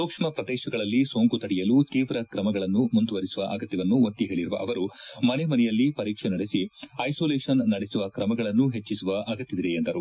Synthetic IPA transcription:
soːkʂmɐpɾɐd̪eːʃɐɡɐɭɐlːisoːŋkut̪ɐɽijɐluːt̪iːʋɾɐkɾɐmɐɡɐɭɐnːumund̪uʋɐɾisuʋɐʔɐɡɐt̪jɐʋɐnːuot̪ːiɦe̞ːɭiɾuʋɐ̰ʔɐʋɐɾumɐnemɐnɛjɐlːipɐɾiːkʂenɐɽesiɐjsoːleːʂɐnːɐɽesuʋɐkɾɐmɐɡɐɭɐnːuɦe̞t͡ʃːisuʋɐʔɐɡɐt̪jɐd̪iɾeend̪ɐɾu

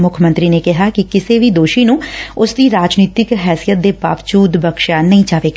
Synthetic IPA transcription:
mʊkʰmənt̪ɾiːneːkɪɦaːkɪkɪseːʋiːd̪oːʃiːnũːʊsd̪iːɾaːd͡ʒniːt̪ɪkɦɛːsijət̪̚d̪eːpa̰ːʋt͡ʃuːd̪bəkʃaːnəĩːt͡ʃaːʋeːka

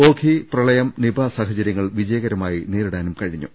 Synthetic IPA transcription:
o̞ːkʰiprɐɭɐjɐmnibʱaːsaːɦɐt͡ɕɐɾjɐŋːɐɭʋid͡ʑɐjɐɣɐɾɐmaːjineːɾuɽaːnumkɐɻiɲːṵ

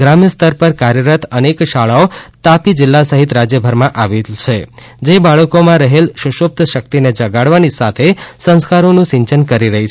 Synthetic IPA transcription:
ɡɾamjəst̪əɾpəɾkaɾjəɾət̪ənekʃaɭaot̪apid͡ʒɪlːasəɦit̪ɾad͡ʒjəbʱəɾmãʔaʋelt͡ʃʰe | d͡ʒebaɭəkomãɾəɦelʃʊʃop̚t̪ʃək̚t̪ined͡ʒəɡaɽʋanisat̪ʰesə̃skaɾonũʃɪ̃ɲt͡ʃənkəɾiɾəɦi

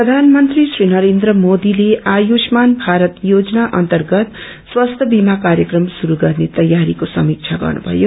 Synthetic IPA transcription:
prʌd̪ʱanmʌnt̪risrinʌɾend̪rʌmod̪ileajosmanbʱaɾʌt̪jod͡zʌnaʔʌnt̪ʌrɡʌt̪ | swast̪ʰʌbimakaɾjʌkrʌmsuɾuɡʌrnet̪ʌjːaɾikosʌ̰mik̚t͡ʃʰaɡʌ̰rnṵbʱʌ̰jo

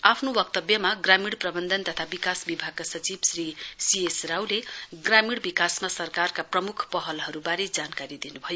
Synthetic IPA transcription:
apʰnobʌk̚t̪ʌbjʌmaɡramiɽprʌbʌnd̪ʱʌnt̪ʌt̪ʰabikasbibʱaɡ̚kasʌt͡sibsrisiesrawleɡramiɽbikasmasʌrkarkaprʌmukʰpʌɦʌlɦʌɾubaɾed͡zankaɾid̪inubʱʌjo

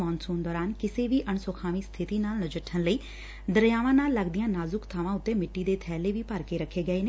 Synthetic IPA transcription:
mɔːnsũːnd̪ɔːɾaːnkɪseːʋiːʔəɳsoːkʰaːʋiːst̪ʰɪt̪iːnaːlnəd͡ʒəʈʰːənləiː | d̪əɾjaːʋãːnaːlːəɡd̪ijãːnaːzʊkt̪ʰaːʋãːʊt̪ːeːmɪʈːiːd̪eːt̪ʰɛːleːʋiːpəɾkeːɾəkʰːeːɡəeːne

